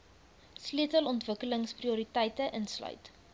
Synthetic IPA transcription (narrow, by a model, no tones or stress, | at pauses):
sliətəlɔntvəkələŋspriuɾitəjtəʔənslœ̰ɥt